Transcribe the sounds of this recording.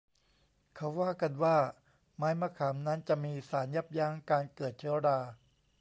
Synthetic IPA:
kʰa˦˥waː˥˩ka˧nwaː˥˩ | maː˦˥jma˧˥kʰaː˩˦mna˦˥nt͡ɕa˨˩ʔmiː˧saː˩˦nja˦˥˩p̚jaː˦˥ŋkaː˧nkɤː˨˩t̪̚t͡ɕʰɯ˧˦ɾaː˧

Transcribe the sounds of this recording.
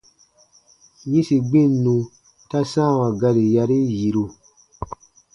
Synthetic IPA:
ɲĩ˦si˨ɡ͡bĩ˦˨nːũ˧ | ta˦sã˦˨wã˨ɡa˧ɾi˨ja˧ɾi˦ji˨ɾu˧

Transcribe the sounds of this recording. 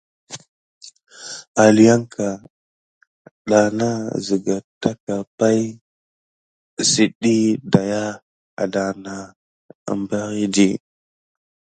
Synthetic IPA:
a˨li˨ja˦ŋkʰa˨ | ɗa˨na˦zi˨ɡa˨ta˦ka˨pa˦j | si˨ɗi˦da˨ja˦ | a̰˨da˨na˦ | a̰˨mba˦ɣi˦di˦

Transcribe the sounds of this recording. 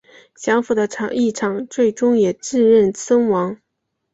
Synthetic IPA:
ɕjɑ˧˥ŋfu˨˩d̪ə˦ʈ͡ʂʰɑ˨˥ŋʔi˥˩ʈ͡ʂʰɑ˨˩ŋt͡swe˥˩ɪʈ͡ʂʊ˥ŋjɛ˨˩ʈ͡ʂɻ̩˥˧ɻə˥˩nsʰə˥nwɑ˧˥ŋ

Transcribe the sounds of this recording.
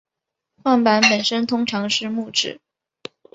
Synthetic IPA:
xwa˥˩npa˧˥npə˨˩nʂə˥nt̪ʰʊ˥ŋʈ͡ʂʰɑ˧˥ŋʂɻ̩˥˧mu˥˧ʈ͡ʂɻ̩˥˩˦

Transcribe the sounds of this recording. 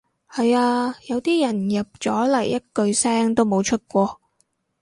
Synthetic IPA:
hɐ˨jaː˧jɐ˨˧wt̪iː˥jɐ˨˩njɐ˨p̚t͡sɔː˨˥lɐ˨˩jjɐ˥t̚kɵ˧ɥsɛː˥ŋt̪o˥wmo˨˧wt͡ʃʰɵ˥t̚kʷɔː˧

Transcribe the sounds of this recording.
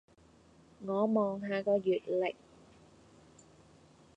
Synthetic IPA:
ŋɔː˨˧mɔː˨ŋɦaː˨˧kɔː˧jyː˨t̚lɪ̰˨k̚

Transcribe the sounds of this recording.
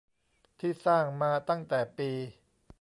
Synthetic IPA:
t̪ʰiː˥˩saː˥˩ŋmaː˧t̪a˥˩ŋt̪ɛː˨˩piː˧

